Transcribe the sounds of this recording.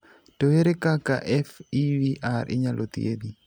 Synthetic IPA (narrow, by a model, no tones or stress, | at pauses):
toeɾekakaʔɛfiwiʔaɾʔɪ̰ɲalʔot̪ḭḛd̪i